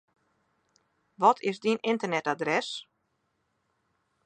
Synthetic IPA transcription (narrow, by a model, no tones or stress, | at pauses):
ʋɔtʰɪzdinɪntərnɛtadrɛs